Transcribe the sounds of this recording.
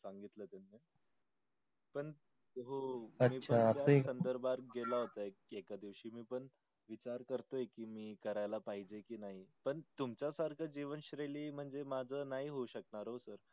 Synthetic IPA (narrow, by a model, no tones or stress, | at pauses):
saŋɡit̪lət̪anːe | pəɳ | t̪ɦoəmiːpt͡ɕʰəanəjaə̃sənd̪əɾbʱaɾɡelaɦot̪aek̚ekad̪iʋɕiːmiːpəɳ | ʋit͡ɕaɾkəɾt̪oekiːmiːkəɾajlapaɦid͡ʑekiːnaɦipəɳt̪umt͡ɕjasaɾkʰəd͡ʑiʋənɕɾeliːm̤əɳd͡zemad͡zʱənaɦiɦouɕəknaɾɦosəɾ